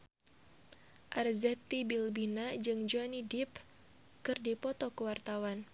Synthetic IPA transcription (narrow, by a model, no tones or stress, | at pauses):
ʔarzɛt̪ːibilbinad͡ʒɨŋd͡ʒuanidip | kɨrdipɔt̪ɔkəwart̪awan